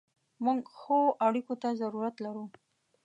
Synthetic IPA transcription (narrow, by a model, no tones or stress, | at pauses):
muŋɡxoʔaɽikot̪azaɾuɾat̪laɾu